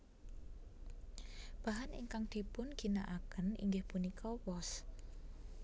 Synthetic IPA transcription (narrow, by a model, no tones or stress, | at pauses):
b̥a̤ɦanḭŋkaŋd̪̥i̤pʊnɡ̥i̤naʔakənḭŋɡɪhpunikʰɔwɔs